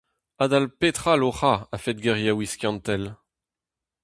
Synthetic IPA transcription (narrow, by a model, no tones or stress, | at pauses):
ad̪alpet̪χaloχaafɛt̪̚ɡɛʁjawiskʲjɑ̃nt̪ɛl